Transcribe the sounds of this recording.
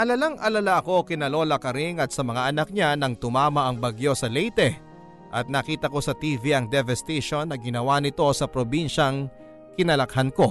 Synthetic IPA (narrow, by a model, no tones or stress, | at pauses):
ʔɐlɐlaŋʔɐlɐlaʔɐko̞kɪnɐlo̞ːlɐkɐɾiŋɐt̪̚sɐmɐŋaʔɐnɐk̚ɲanɐŋt̪ʊmaːmɐʔɐŋbɐɡjo̞sɐlɛjt̪ɛ | ʔɐt̪̚nɐkiːt̪ɐko̞sɐt̪iːviʔɐŋd̪ɛvɛst̪ɛʃo̞nːɐɡɪnɐwanɪt̪o̞sɐpɾobinʃɐŋ | kɪnɐlɐkhɐnko̞